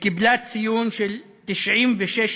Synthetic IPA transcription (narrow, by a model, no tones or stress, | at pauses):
kɪblaːt̪sijuːnʃel | t̪ɪʃʕiːmveʃeʃ